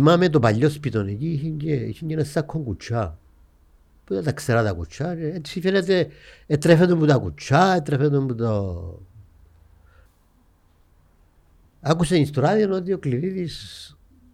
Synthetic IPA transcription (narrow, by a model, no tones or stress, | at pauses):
mamet̪̬opaʎːospit̪onekiɦiɲɡeḭt͡ʃiŋɡenasakʰːoŋkut͡ʃʰa | puðet̪akseɾat̪akṵt͡ʃʰaeet̪sifenet̪eːt̪ɾefet̪ombut̪akut͡ʃʰaet̪ɾefet̪ombut̪o | akusenist̪oɾaðinot̪iokliɾiðis